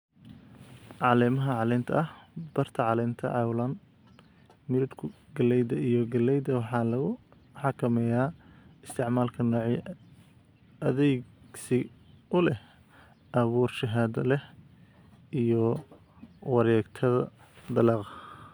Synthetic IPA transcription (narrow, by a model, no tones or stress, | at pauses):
ʕɑlɛmɐɦɐʕɑlɛnt̪ʰɐ̰ʔɐhb̥ɐrt̪ʰɐʕɑlɛjnt̪ʰɐ̰ʕɑwlɐn | mɪɾɪd̪kʰʊɡɐlɛjd̪ɐijɔɡɐlɛjd̪ɐwɑħɑːlɐɣʊ | ħɑkʰɐmɛjaːɪst̪ʰɪʕmaːlkʰɐnɔːʕi | ɐðɛjɡsɪ | ʔʊlɛh | ʔɐβuːrʃɪɦaːðɐlɛh | ʔijɔ | wɑɾɛːɡt̪ʰɐðɐ | d̪ɐlɑːq